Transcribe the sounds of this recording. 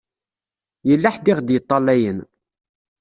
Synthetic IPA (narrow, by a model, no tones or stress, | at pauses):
jəlːaħd̪iʁd̪jət̪ˤːɑlːæjən